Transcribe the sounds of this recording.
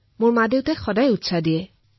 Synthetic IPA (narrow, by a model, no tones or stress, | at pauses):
moɹmadeʊtɛxɔdajutsadiɛ